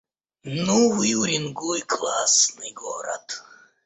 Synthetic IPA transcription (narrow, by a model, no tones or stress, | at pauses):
nuvɨuɾʲinɡujklˠasnɨjɡo̰ɾɐ̰t̪